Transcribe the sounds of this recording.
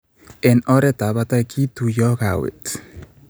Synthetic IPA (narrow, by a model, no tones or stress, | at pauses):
enɔɾet̪aβat̪akʰit̪ujɔkawḛt̪